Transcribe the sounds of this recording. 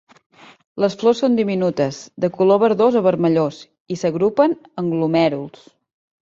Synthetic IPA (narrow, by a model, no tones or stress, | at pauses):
ləsflosːond̪iminut̪əzd̪əkuloβ̞əɾðozəβəɾməʎos | isəɣɾupənəŋɡlumɛɾulˠs